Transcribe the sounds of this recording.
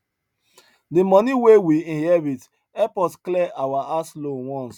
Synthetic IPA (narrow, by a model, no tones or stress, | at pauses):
dimɔniwewiĩhɛvit | ɛpɔtklɛʔawaʔaslonwɔ̃ns